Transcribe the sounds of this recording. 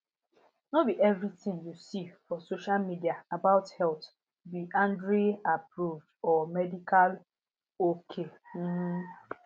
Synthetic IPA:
nɔbiʔɛvɾitĩŋjusifɔsoʃalmidiaabaʊthɛlt | biʔãndɾeapɾuvdɔmɛdikal | okʰem̩

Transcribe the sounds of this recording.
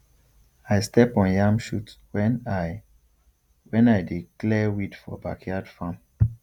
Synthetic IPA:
ajstɛpɔ̃njãmʃutwɛ̃na | wɛ̃najdiklɛwidfɔ̰ba̰kʰjadfãm

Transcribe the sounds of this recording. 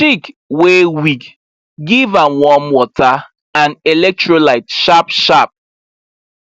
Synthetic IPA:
t͡ʃikwewik | ɡivãnwɔmwɔtʰa | ãnɛlɛk̚tɹolaɪtʃapʃap̚

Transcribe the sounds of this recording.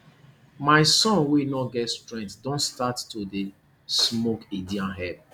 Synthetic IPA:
maɪsɔ̃nwenɔɡɛtstɹɛ̃ntdõntstattode | smokidiãnɦɛp̚

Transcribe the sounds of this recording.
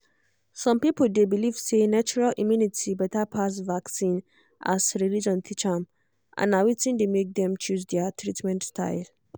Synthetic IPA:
sɔ̃mpipəldebiliv̥senat͡ʃɔɹalʔimjunitʰibɛtapʰasvaksĩn | ʔa̰sɹilid͡ʒɔ̃nt̪ʰit͡ʃam | ʔã̰nawitĩndemek̚d̪ɛ̃mt͡ʃus̬dɛətʰɹitmɛ̃ntstʰa̰ɪl

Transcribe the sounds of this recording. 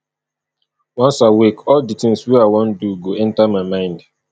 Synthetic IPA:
wʌ̃nsawikɔlditɪ̃ŋswiawõn̩duɡoɛ̃ntamaɪmãɪ̃nd

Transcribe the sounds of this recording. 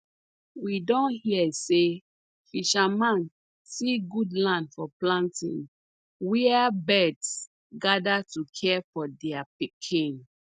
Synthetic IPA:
widɔ̃nhiɛse | fiʃamãn | siɡudlãndfɔplãntḭ̃n | wiabɛds | ɡadatukʰɛfɔdɛapikʰĩn

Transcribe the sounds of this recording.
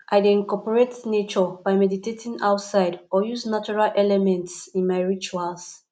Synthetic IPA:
ʔajdeĩnkɔpɔɹetnet͡ʃɔb̥ajmɛditetʰĩŋa̰wtsaɪdɔjuznat͡ʃuɹalʔɛlɛmɛ̃ntsĩnmajɹit͡ʃuals

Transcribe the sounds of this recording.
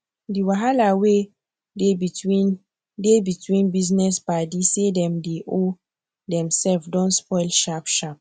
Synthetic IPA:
diwaɦalawe | eiin | debitwĩnbiznɛsbadisedɛ̃mdeʔo | dɛ̃msɛlfdɔ̃nspɔɪlʃapʃap̚

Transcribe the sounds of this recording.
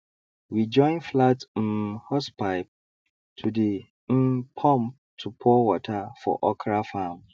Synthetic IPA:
wid͡ʒɔ̃ɪ̃nflatm̩hɔspʰaɪp̚ | tʰude | m̩pʰɔ̃mp̚ | tʰupʰɔwɔtʰafɔ̰ʔɔkʰɾafãːm

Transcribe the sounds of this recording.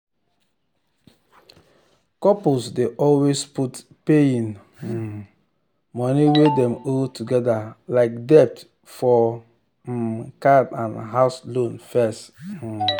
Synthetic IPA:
kɔpulsdeʔɔlwesput | peĩn | mɔniwedɛ̃moltuɡɛdalaɪk̚dɛp̚t | fɔ | kabãnɦaʊslõnfɛst̩

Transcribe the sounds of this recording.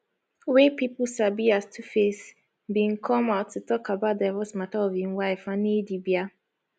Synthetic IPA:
wepiplsabiastʰufes | bĩnkʰɔ̃maʊtʰːutɔkabaʊt̚davɔsmataɔvhĩnwaɪfãnidibja

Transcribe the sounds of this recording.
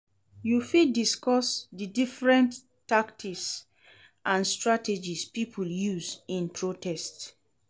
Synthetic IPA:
jufidiskɔsdidifɹɛ̃nt | taktʰiks | ʔãnstɹated͡ʒispipʰuljuzĩnpʰɹotʰɛst

